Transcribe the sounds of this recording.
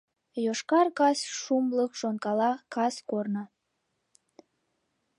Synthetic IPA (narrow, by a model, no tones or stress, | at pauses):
joʃkɑrkɑsʃumləkʃonkɑlɑkɑskornɑ